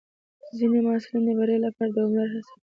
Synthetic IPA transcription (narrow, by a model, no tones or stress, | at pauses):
zinemaɑsɪlind̪əbaɾajolapɑɾad̪əʊmlaɾɦasa